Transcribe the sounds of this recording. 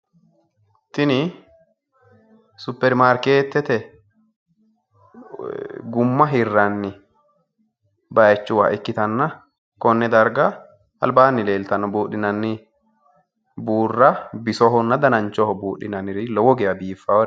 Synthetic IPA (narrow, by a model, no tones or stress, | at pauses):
t̪ɪnɪ | sʊpːɛɾmaːɾkeːt̪ːɛt̪ɛ | ɡʊmːɐɦɪrːɐnːɪ | bɐjɛt͡ʃːʊwa̰ʔɪkːɪt̪ɐnːɐ | kɔnːɛd̪ɐɾɡa | ɐ̰lbaːnːɪle̞ːlt̪ɐnːɔbuːᶑɪnɐnːɪ | buːrːɐbɪsɔɦɔnːɐd̪ɐnɐnt͡ʃɔhɔbuːᶑɪnɐnɪɾɪlɔwɔɡɛjɐbiːfːawɔ